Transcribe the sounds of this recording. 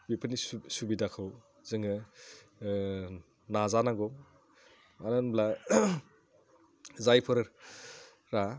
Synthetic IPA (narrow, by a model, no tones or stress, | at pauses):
bipʰɯnissubidakʰɯw | zɯŋɯ | nazanaɡɔ | ananbla | zajpʰɔɾɯɾ | ɾa